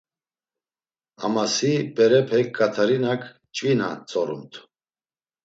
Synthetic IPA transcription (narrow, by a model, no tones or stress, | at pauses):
a̰masibɛɾɛpʰɛkʼːat̪ʰaɾinakʰ | t͡ʃʼvina̰t͡sʼɔɾṵmt̪ʰ